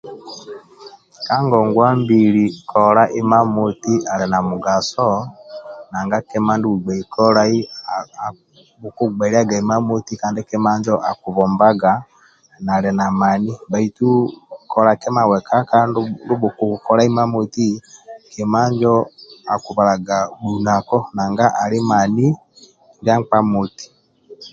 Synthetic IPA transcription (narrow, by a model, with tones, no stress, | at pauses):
ka˦ŋɡɔŋɡwa˦mbiɾikʰɔɾa˦ʔi˦ma˦mu˨ti˦ʔa˨lɛ˨na˨muɡasɔ | na˨ŋɡa˦kɛ˦ma˦ndu˦u˨ɡ͡ba˨ikʰɔ˦ɾai˦ | βuku˦ɡ͡baɾia˦ɡa˨i˨ma˦mu˦ti˦kaː˦ndiki˦ma˦ɲd͡ʒɔʔa˨ku˨βɔmbaɡa | na˨ɾɛ˨na˨ma˨ni˦ba˨i˨tu˦kɔ˨ɾa˨kɛ˦ma˨wɛ˨ka˦kandundu˦bu˨ku˨kɔ˦ɾa˦i˦ma˦mo˨ti˦kɛ˨ma˦ɲd͡ʒɔ˦a˨ku˨βa˨ɾa˨ɡa˨ɗu˨na˨kɔ˦na˨ŋɡa˦ʔa˨li˦ma˨ni˦ | ŋɡa˦ŋk͡pa˦moti̥˨